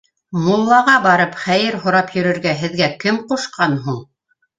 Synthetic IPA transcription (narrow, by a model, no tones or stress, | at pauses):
mulˠːɑʁɑbɑɾɤpχæjɘɾɦŏɾɑpjɵ̆ɾɘ̆ɾɡæɦɘ̆ðɡækɘmquʃqɑnɦuɴ